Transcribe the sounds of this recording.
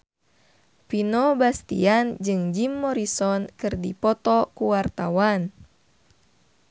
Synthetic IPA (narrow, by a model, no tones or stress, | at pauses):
pinɔbast̪ḭand͡ʒɨŋd͡ʒimːɔɾisɔnkɨrdipɔt̪ɔkuwart̪awan